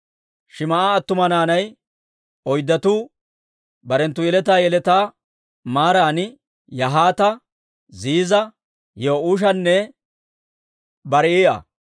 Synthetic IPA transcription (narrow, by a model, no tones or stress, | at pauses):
ʃɪmɐaːt̪ːʊmɐnaːnɐj | ɔjd̪ːɐt̪u | bɐɾɛnt̪ːʊjɛlɛt̪aːjɛlɛt̪aː | maːɾaːnɪ | jɐɦaːt̪ɐ | ziːzɐ | joːuːʃ̬ɐnːɛ | bɐɾɛiːʔɐ̰